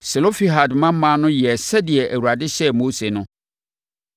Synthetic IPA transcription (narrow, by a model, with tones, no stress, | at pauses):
se˨lo˦fi˦ɦa˨dmã˦m̩˦mã˦nʊ̃˦jɛ˨sɛ˦dɪ˨ɛ˨ʔæ˨wu˨ɾa˨dɪ˦ɕɛ˦mo˦se˨nʊ̃˦